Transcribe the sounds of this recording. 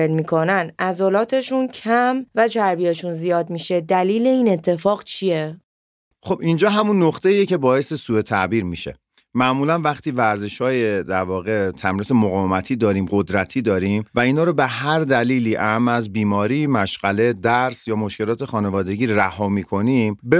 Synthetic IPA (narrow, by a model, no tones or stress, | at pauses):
elmiːkʰo̞nænæzolɒːt̪ʰe̞ʃuncʰæmvæd͡ʒæɾbijeʃunzijɒːd̪̚miːʃe̞d̪æliːle̞iːne̞t̪ʰːe̞fɒːɣt͡ʃʰije | xobind͡ʒɒːɦæmunːoxt̪ʰeiːjece̞bɒːesesuːe̞t̪ʰæʔbiːɾmiʃe̞̰ | mæʔmuːlænvæχt̪iːvæɾzeʃhɒːjed̪æɾvɒːɣe̞t̪ʰæmɾiːt̪ʰemoɣɒːvemæt̪ʰiːd̪ɒːɾiːmɢod̪ɾæt̪ʰiːd̪ɒːɾiːmvæiːnhɒːɾobeɦæɾd̪æliːliːʔæmæzbiːmɒːɾiːmæʃɢæle̞d̪æɾsjɒːmo̞ʃkce̞lɒːt̪ʰe̞xɒːne̞vɒːd̪e̞ɟiːɾɾæhɒːmiːkʰo̞nimbe